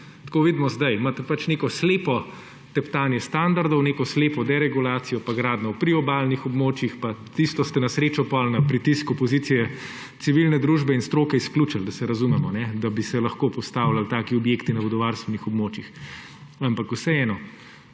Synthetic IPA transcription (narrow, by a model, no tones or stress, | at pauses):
t̪koːʋiːd̪mɔzd̪ajmat̪ɛpat͡ʃnekɔsleːpɔ | t̪ɛpt̪aːnjɛst̪and̪aɾd̪ɔwneːkɔsleːpɔd̪ɛɾɛɡulaːt̪sijɔpaɡɾaːd̪nɔwpɾiɔbalnixɔbmoːt͡ʃjixpat̪ist̪ɔst̪ɛnɐsɾeːt͡ʃɔpɔlnɐpɾit̪iskupɔzit̪sijɛ | t̪siʋilnɛd̪ɾuʒbɛinst̪ɾoːkɛiskluːt͡ʃald̪ɐsɛɾɐzumɛmɔnɛd̪ɐbisɛlɐxkoːpɔst̪aːwlalt̪aːkiɔbjekt̪inɐbɔd̪ɔʋaːɾst̪ʋɛnixɔbmoːt͡ʃjix | ampakusɛɛːnɔ